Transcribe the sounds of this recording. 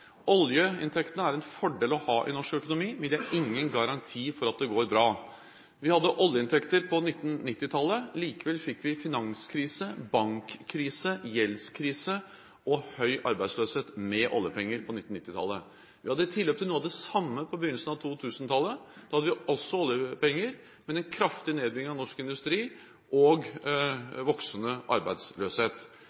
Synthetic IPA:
ʔɔljəɪ̰nt̪ʰɛkt̪ənəæɾɛnfɔɖeːlɔhɑːʔɪnɔʂkœkʊnʊmiːmɛnd̪ɛæɾɪŋːənɡɑɾɑnt̪ʰiːfɔɾɑt̪̚d̪ɛɡoːɾbɾɑː | ʋɪhɑd̪ːəʔɔljəɪnt̪ʰɛkt̪əɾpʰɔnɪt̪ːn̩nɪt̪ːɪt̪ʰɑlːəliːkəʋɛlfɪkːʋɪfɪnɑŋskʰɾiːsəbɑŋkʰːɾiːsəjɛlskʰɾiːsə | ʔɔhœʏʔɑ̰ɾbæɪsløːsheːt̪mɛʔɔ̰ljəpɛŋːəɾpʰɔnɪt̪ːn̩ɪt̪ːɪt̪ʰɑ̰lːə | ʋɪhɑd̪əɪt̪ʰɪlːøːpt̪ʰɪluːɑʋd̪ɛsɑmːəpʰɔbəjʏnl̩sn̩ɑʋt̪ʰuːt̪ʰʉːsn̩t̪ʰɑlːəd̪̥ɑhɑd̪əʋɪʔɔsːɔɔljəpɛŋːəɾ | mɛd̪ɛnkʰɾɑft̪ɪneːd̪̚bɾɪŋːɪŋɑʋnɔʂkɪnd̪ʉst̪ɾiː | ʔɔɡ | ʋɔksənəʔɑ̰ɾbæɪd̪sløːsheːt̪

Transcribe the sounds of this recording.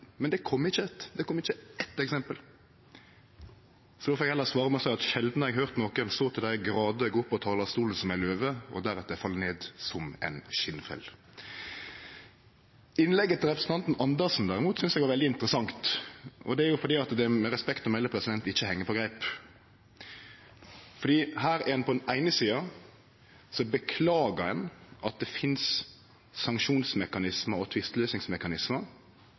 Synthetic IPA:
mɛnd̪ɛkʰɔmːɪçːət̪d̪ɛkʰɔmːɪçːəɛt̪ɛksɛmpəl | sɔd̪ɔːfɔɾɛɡɛlːəsʋɑːɾəmɔsæɪɑt̪ʃɛld̪nəɛɡɦøːʁt̪nɔkənst̪oːt̪ʰɪld̪æɪəɡɾɑːd̪ɛɡʊpːɔt̪ʰɑːlɑst̪uːləsɔmæɪløːʋəɔ̰d̪æɾɛt̪əd̪æfɑlːəneːd̪sɔmɛ̰ɪnʃɪnːfɛ̰l | ɪnlɛɡət̪ʰːɪlɾɛpɾəsn̩t̪ʰɑnt̪n̩ɑnd̪əʁsn̩d̪æʁɪmuːt̪sʏnsɛɡʋɑɾʋɛld̪ɪɪnt̪əɾəsɑŋt̪ʔɔ̰d̪ɛæɾjʊfɔd̪iːɑt̪d̪ɛmɛɾɛspɛkt̪ɔmɛlːəpʰɾɛsɪd̪ɛnt̪ɪçːəhɛŋːəpʰɔɡɾæɪp | fɔd̪iːhæːɾæɛnpʰɔd̪ɛnæɪnəsiːɑ | sɔbəkʰlɑːɡəɾɛnʔɑt̪̚d̪ɛfɪns | sɑŋkʃuːnsmɛkɑnɪsməɾɔt̪ʰʋɪst̪løːsnɪŋsmɛkɑnɪsməɾ

